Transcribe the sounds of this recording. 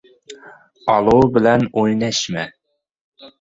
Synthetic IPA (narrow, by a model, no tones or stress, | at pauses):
ɑlˠobɪlɛnojnɛʃmɛ